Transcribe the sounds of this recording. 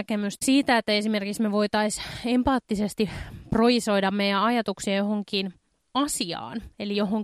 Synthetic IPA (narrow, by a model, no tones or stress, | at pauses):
kemyssiːt̪æet̪ːæesime̞rkiksmeʋo̞it̪ɑisempɑːt̪ːisest̪iproiso̞idɑmmejæɑjɑt̪uksiɑjo̞ɦoŋkiːn | ɑsiɑ̰ːnelijo̞ɦoŋ